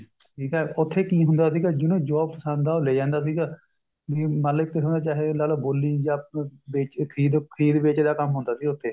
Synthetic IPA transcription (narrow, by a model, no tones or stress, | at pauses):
ʈʈʰiːkɛːʊt̪ʰːeːkiːɦʊnd̪aːsiːkaːd͡ʒɪnõːd͡ʒɔːb̚pəsãːnd̪aːoːleːd͡ʒãːnd̪aːs̬iːɡaː | ʋiːmaːlɪk̚t̪eːɦond̪aːt͡ʃaːɦeːlaːloːboːlːiːd͡ʒãːbeːt͡ʃkʰəɾiːd̪kʰəɾiːd̪beːt͡ʃeːd̪aːkəmɦʊ̃nd̪aːsiːʊt̪ʰːeː